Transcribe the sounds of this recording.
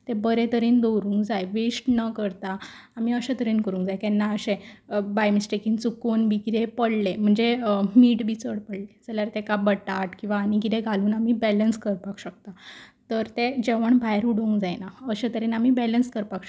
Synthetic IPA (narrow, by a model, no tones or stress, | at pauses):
t̪ebəɾẽt̪əɾiːnd̪owɾũːŋkd͡zajʋesʈnəkəɾt̪aː | miəɕet̪əɾiːnkəɾũːŋkd͡zajkɛnːaəɕẽbajmisʈekĩŋɡt͡sukonbʱiːkit̪epəɽlem̤əɳd͡zemiːʈbʱiːt͡səɽpəɽled͡zaljaɾt̪ekabəʈat̪kĩw̃ʋaːnik̬it̪eɡʱaluːnamibɛlənskəɾpakɕək̚t̪at̪əɾt̪ed͡ʑeʋəɳbʱajɾuɽũːŋkd͡zajnaəɕẽt̪əɾiːnamibɛlənskəɾpak